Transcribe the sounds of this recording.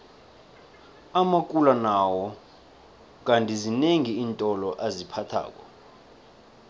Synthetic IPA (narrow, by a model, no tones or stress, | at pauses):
amakʼulanawɔ | k̬ʼantʼizineŋiːntʼɔlɔʔazipʰatʰa̰ːk̬ʼɔ